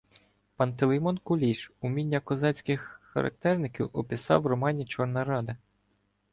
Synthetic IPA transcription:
pɑnt̪ɪlˠejmɔnkʊlʲiʃumʲinʲːɐkɔzɑt͡sʲkɪxːɐ̰ɾʔɐ̰k̚t̪ɛrnɪkʲiwʔɔpʲisɑ̰wrɔmɑnʲit͡ʃɔrnɐɾɑd̪ɐ

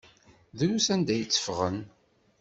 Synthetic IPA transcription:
ðunusænd̪æjt͡sːə̥fʁən

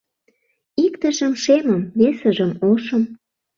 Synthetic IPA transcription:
ikt̪ə̆ʒə̆mʃeməmβesə̆ʒə̆moʃə̆m

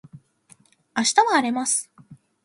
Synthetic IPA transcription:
aɕi̥t̪aβaːɾe̞masɨ̥

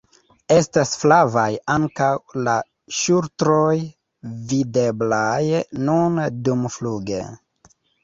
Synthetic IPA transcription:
e̞stasflavajaŋkawla | ʃuɾtɾoj | vide̞blajnundumfluɡḛ

